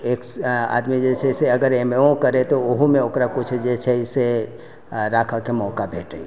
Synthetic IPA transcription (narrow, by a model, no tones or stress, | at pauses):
eːka̰ːd̪mid͡ʒɛːseseɐɡəɾeːmeõkəɾẽt̪oʊɦumẽoːkɾakʊt͡ʃʰd͡ʒɛːsʰeɪse | ɾaːkʰakemɔːkabʱeːʈei